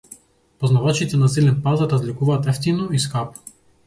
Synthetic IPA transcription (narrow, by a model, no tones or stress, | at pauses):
pɔznavat͡ʃit̪ɛnasilɛnpazaɾazlikuvaːt̪ɛft̪inɔiskap